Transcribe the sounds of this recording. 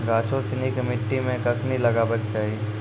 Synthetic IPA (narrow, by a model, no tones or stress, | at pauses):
ɡaːt͡ʃʰosɪnikɐmɪʈːimẽkɐkʰnilɐɡaːbəkt͡ʃaːɦie